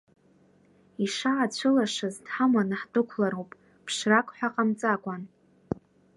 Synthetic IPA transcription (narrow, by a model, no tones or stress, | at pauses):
iʂaat͡ɕʷʰɨlaʂaztħamanaħdʼɨkʷʰlaɾowpʼ | pʰʂrakʷʼħʷᶣaqʼamt͡sʼakʷʼan